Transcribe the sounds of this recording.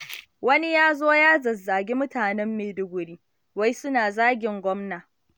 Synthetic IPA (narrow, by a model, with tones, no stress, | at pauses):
wɐ˦ni˦jaː˦zoː˦jaː˦zɐ˨zːaː˨ɡʲi˦mʊ˦taː˨nɛ˦mːeː˨dʊ˦ɡʷʊ˨ɽiː˦ | wa˦jsʊ˦naː˨zaː˦ɡʲɪ˨ŋɡʷɔ˦mnaː˨